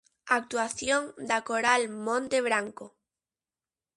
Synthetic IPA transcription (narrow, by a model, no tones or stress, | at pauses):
ak̚t̪waθjõŋd̪akoɾalmõnt̪eβɾaŋko